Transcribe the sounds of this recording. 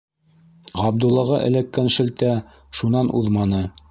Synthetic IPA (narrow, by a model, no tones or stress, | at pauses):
ʁɑb̚d̪ulˠːɑʁɑʔɘ̰̆lækːænʃɘ̆lt̪æ | ʃunɑnʔuðmɑnɤ